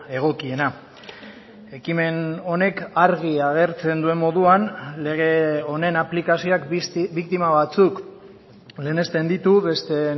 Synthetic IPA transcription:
e̞ɣ̞o̞kie̞na | e̞kime̞no̞ne̞kaɾɣiaɣ̞e̞ɾt͡se̞nd̪ue̞mmo̞ðuanle̞ɣ̞eo̞ne̞naplikasioakbikt̪imaβat͡suk | le̞ːne̞st̪end̪it̪uβe̞st̪e̞

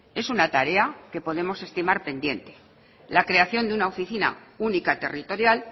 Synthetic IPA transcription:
e̞sunat̪aɾe̞ake̞po̞ðe̞mo̞se̞st̪imaɾpe̞nd̪je̞nt̪e̞ | lakɾe̞aθjo̞nd̪eunao̞fiθina̰unikat̪e̞rit̪o̞ɾjal

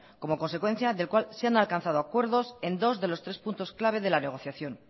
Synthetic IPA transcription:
ko̞mo̞ko̞nse̞kwe̞n̟θjaðe̞lkwalseanalkanθað̞o̞akwe̞ɾðo̞se̞nd̪o̞zðe̞lo̞st̪ɾespunt̪o̞sklaβ̞e̞ð̞e̞lane̞ɣ̞o̞θjaθjo̞n

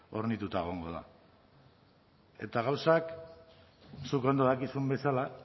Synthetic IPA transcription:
o̞ɾnit̪ut̪aeɣ̞o̞ŋɡo̞̰ð̞a̰ | e̞t̪aɣ̞awsak | suko̞nd̪o̞ðakisumbe̞sala

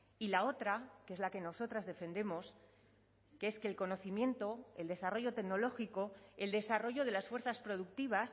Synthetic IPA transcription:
ilao̞t̪ɾakee̞zlake̞no̞so̞t̪ɾazðe̞fe̞nd̪e̞mo̞s | keeske̞ːlko̞no̞θimjẽ̞nt̪o̞eld̪e̞saro̞ʝo̞t̪e̞ɡno̞lo̞xiko̞e̞ld̪e̞saro̞ʝo̞ð̞e̞lasfweɾθaspɾo̞ð̞uk̚t̪iβas

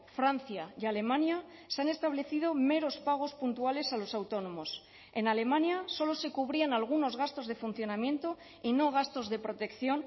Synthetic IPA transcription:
fɾanθjaiale̞mãnjaseane̞st̪aβ̞le̞θið̞o̞me̞ɾo̞spaɣ̞o̞spunt̪uale̞salo̞sawt̪o̞no̞mo̞s | e̞nale̞mãnjaso̞lo̞se̞kuβ̞ɾianalɣ̞uno̞zɣast̪o̞zð̞e̞fun̟θjo̞namje̞nt̪o̞ | ino̞ɣ̞ast̪o̞zðe̞pɾo̞t̪e̞kθjo̞n

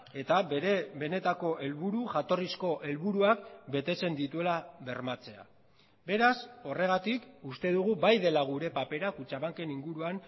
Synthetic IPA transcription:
e̞t̪abe̞ne̞t̪ako̞ʔe̞lβuɾuʝat̪o̞risko̞ʔe̞lβuɾuakbe̞t̪e̞t͡se̞nd̪it̪ue̞laβe̞ɾmat͡se̞a̰ | be̞ɾaso̞re̞ɣ̞at̪ikust̪e̞ð̞uɣ̞ubajðe̞laɣuɾe̞pape̞ɾakut͡ʃaβaŋke̞niŋɡuɾuan

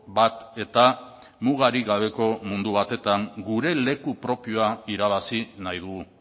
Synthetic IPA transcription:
bat̪e̞t̪a | muɣ̞aɾiɣaβ̞e̞ko̞mund̪uβ̞at̪e̞t̪aŋɡuɾe̞le̞kupɾo̞pio̞aiɾaβ̞asinajð̞uɣu

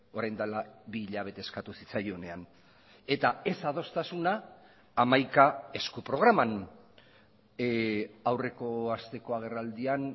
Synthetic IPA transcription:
o̞ɾajnd̪alaβiʎaβ̞e̞t̪e̞ːskat̪usit͡sajone̞an | e̞t̪ae̞sað̞o̞st̪asunaː | majkae̞skupɾo̞ɣɾaman | awre̞ko̞ast̪e̞ko̞aɣ̞e̞rald̪ian

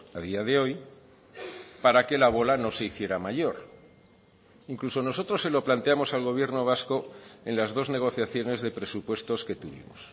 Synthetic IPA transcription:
aðiaðe̞o̞j | paɾake̞laβ̞o̞lano̞se̞iθje̞ɾamaʝo̞ɾ | iŋkluso̞no̞so̞t̪ɾo̞sːe̞lo̞plant̪e̞amo̞salɣo̞βje̞ɾno̞β̞asko̞e̞nlazðo̞zne̞ɣ̞o̞θjaθjo̞ne̞zðe̞pɾe̞supwe̞st̪o̞ske̞t̪uβḭmo̰s

